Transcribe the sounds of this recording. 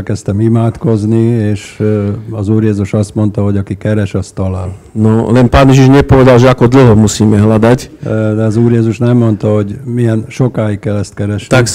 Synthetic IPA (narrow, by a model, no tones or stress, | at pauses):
lkɛst̪ɛmimaːt̪ko̞znieːʃ | ɒzuːɾjɛzuʃɒst̪mont̪ɒɦo̞ɟɒkikɛɾɛʃɒst̪ɒlaːl | nolɛnpaːnjeʒiʒɲɛpoʋɛd̪alʒɛakod̪l̩ɦomusiːmɛɦlad̪acd̪ɛɒzuːɾjɛːzuʃnɛmːo̞nt̪ɒɦo̞ɟmijɛnʃokaːjikɛlɛst̪kɛɾɛʃak